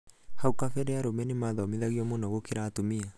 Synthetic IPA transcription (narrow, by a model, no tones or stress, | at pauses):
haukakɛɾɛaɾomɛnemaːðɔmeðaɣiɔmonɔɣokeɾaːtomia